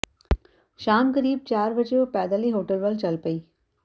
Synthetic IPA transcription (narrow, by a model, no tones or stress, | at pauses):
ʃaːmkɐɾiːb̚t͡ʃaːɾʋɐt͡ʃeopɛːd̪aːliɦoːʈəlʋəlt͡ʃɐlpəiː